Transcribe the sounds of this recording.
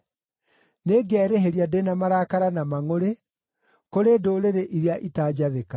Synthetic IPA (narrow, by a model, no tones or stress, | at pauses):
neːɡɛɾeɦeɾjadenamaɾakaɾanamaŋoɾe | koɾedoɾeɾeʔiɾeaʔitaːd͡ʑaðeka